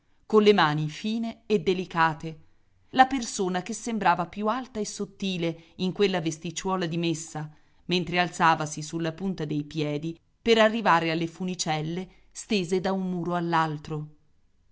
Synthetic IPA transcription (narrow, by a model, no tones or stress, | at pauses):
konlemaːnifiːneːd̪ːelikaːt̪e | lapersoːnakesːembɾaːvapjualt̪aesːot̪ːiːleiŋkwelːavest̪it͡ʃwɔːlad̪imesːa | ment̪ɾealt̪saːvasisulːapunt̪ad̪ejpjɛːd̪i | peɾarːivaːɾealːefunit͡ʃɛlːe | st̪eːzed̪aummuːɾoalːalt̪ɾo